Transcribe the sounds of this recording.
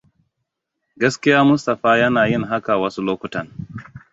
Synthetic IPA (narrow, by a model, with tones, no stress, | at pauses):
ɡɐ˦skʲi˦jaː˦mʊ˦stɐ˨ɸaː˦jɐ˦naː˨ji˦˨ŋɦa˦ka˨wɐ˦su˦loː˦kʷʊ˦tɐ˨n